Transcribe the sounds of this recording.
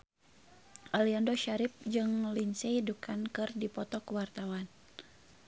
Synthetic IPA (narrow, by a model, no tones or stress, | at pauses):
ʔaliandoʃaɾip̚d͡ʒɨŋlinsɛdukʰankɨrdipɔt̪ɔkwart̪awan